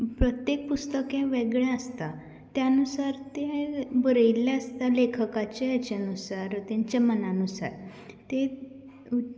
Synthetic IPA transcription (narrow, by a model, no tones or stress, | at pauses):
pɾət̪jek̚pust̪əkẽʋeɡɭjẽəst̪a | t̪jãənusaɾt̪ebəɾəilːaəst̪alekʰəkat͡ɕejat͡ɕeənusaɾt̪ãɲt͡ɕemənanusa̰ɾ | t̪e